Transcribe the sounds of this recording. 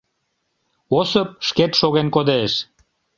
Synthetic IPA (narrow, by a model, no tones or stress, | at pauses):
osəp̚ʃket̪ʃoɣenkod̪eʃ